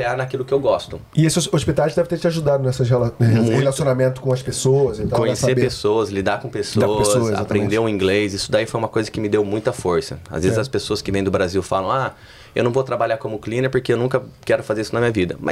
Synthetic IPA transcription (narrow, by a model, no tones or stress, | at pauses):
anakilʊkɪewɡɔst̪ʊ | ɪesɪoospit̪at͡ʃɪd̪ɛvɪt̪eɾt͡ʃɪaʒud̪ad̪ʊnɛsɐshelamũhelasijonamẽnt̪ʊ̥kõɐspesowɐzĩt̪kõɲeseɾpesoɐzslid̪akõpesoaɐssoa̰ppɾẽnd̪eũĩɡlesisʊd̪aifojũmɐkojzɐkɪmɪd̪ewmũj̃t̪ɐfoɾsɐa̰zvezɪzɐspesoɐskɪvẽj̃d̪ʊbɾaziwfalɐ̃w̃a | ewnɐ̃vot̪ɾabaʎaɾkõmʊklĩnepoɾkeewnũkɐkɛɾʊfazeɾisʊnɐmĩɲɐvid̪ɐ̰mɐ̰